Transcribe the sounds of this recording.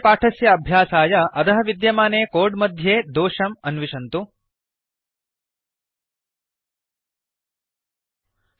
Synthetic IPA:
paːʈʰɐsjɐːbʱjaːsaːjɐʔɐt̪ɐɦɐʋid̪jɐmaːneːkoːɾɖmɐd̪ʱjeːd̪oːʂɐmɐnʋiʃɐnt̪u

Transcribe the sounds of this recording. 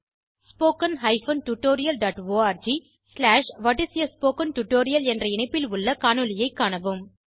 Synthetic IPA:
spoːkɐnɦɐɪfɐnʈuʈːoːɾɪjɐlɖaːʈʋoːaːɾd͡ʒi | slaːʂʋɐʈːɪsɪjɐspoːkɐnʈʊʈːoːɾɪjɐlɛndrɐɪɳɐɪpːɪlʊɭːɐkaːɳɯlɪjɐɪkːaːɳɐʋɯm

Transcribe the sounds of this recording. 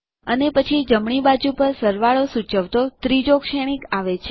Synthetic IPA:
ənepət͡ʃʰid͡ʒəmɳibad͡ʒupəɾsəɾʋaɭosut͡ʃəʋt̪ot̪ɾid͡ʒokʃeɽ̃ikaʋet͡ʃʰe

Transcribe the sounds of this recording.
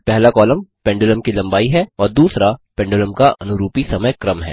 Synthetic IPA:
pɛɦlakɔːləmpɛ̃ːɳɖoləmkilɐ̃mbaːiɦɛɔːɾd̪uːsɾapɛ̃ːɳɖoləmkaʔɐ̰nʊɾuːpisɐməjkɾəmɦɛ̰ː

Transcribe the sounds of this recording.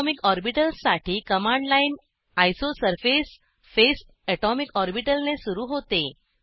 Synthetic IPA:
mikɔɾbiʈəlsaʈʰiːkəmaɳɖlain | ajsosəɾfes | fes | ɛʈɔmikɔɾbiʈəlnesuɾuːɦot̪e

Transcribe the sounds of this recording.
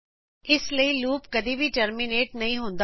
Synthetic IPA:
ɪsləiːluːpkəd̪iːʋiːʈəɾmineːʈnəĩːɦõnd̪

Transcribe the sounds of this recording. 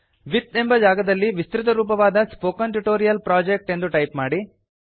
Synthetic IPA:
ʋit̪e̞mbɐd͡ʒaːɡɐd̪ɐlːiʋist̪ɾit̪ɐɾuːp̬ɐʋaːd̪ɐspoːkɐnʈuʈoːɾijɐlpɾaːd͡ʒek̚ʈe̞nd̪uʈɐjpmaːɽi

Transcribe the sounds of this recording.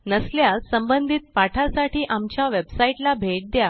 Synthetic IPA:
nəsljassəmbənd̪ʱit̪̚paʈʰasaʈiːʔamt͡ɕjaʋebsaiʈlabʱeʈ̚d̪ja

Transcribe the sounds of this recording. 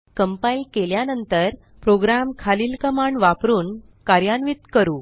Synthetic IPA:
kəmpailkeljanənt̪əɾ | pɾoɡɾamkʰaliːlkəmaɳɖʋapɾuːn | kaɾjanʋit̪kəɾuː

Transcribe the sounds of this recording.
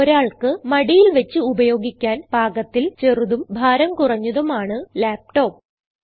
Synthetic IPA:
ɾaːɭkɨmɐɽijilʋet͡ɕːɨubɐjo̞ːɡikʲːaːnb̥ʱaːɡɐt̪ːilt͡ɕe̞ruðumbʱaːɾɐmkurɐɲːuðɐmaːɳɨlaːp̚ʈo̞ːp̚

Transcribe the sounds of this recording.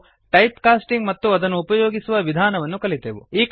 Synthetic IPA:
ʈɐjpkaːsʈiŋɡmɐt̪ːuɐd̪ɐnːuːpɐjoːɡisuʋɐʋid̪ʱaːnɐʋɐnːukɐɭit̪eːʋṵiːk

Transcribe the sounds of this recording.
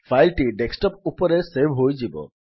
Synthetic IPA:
fʰajlʈiɖeksʈɔp̚upɔɾesebʱɦojd͡ʒibɔ̰

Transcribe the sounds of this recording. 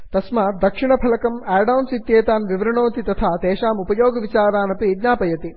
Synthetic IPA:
t̪ɐsmaːd̪ɐkʂiɳɐpʰɐlɐkɐmɛːɾɖɐwnsit̪jeːt̪aːnʋiʋɾɐɳoːt̪it̪ɐt̪ʰaːt̪eːʃaːmupɐjoːɡɐʋit͡ʃaːɾaːnɐpiid̪naːpɐjɐt̪i

